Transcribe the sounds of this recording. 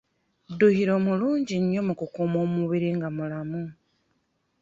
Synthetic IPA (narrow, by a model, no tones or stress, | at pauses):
duhiɾo̞ːmuluːɲɟiɲːo̞mukukumo̞ːmuβiɾiŋɡamulamu